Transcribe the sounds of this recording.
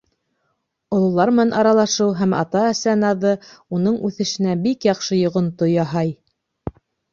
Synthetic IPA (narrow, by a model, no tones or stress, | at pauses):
ŏlˠɤ̆lˠɑɾmɘ̆nænʔɑɾɑlˠɑʃɤwɦæmɑ̰t̪ɑæsænɑðɤunɤɴʉθɘ̆ʃɘ̆næbikjɑqʃɤjŏʁŏnt̪ojɑɦɑj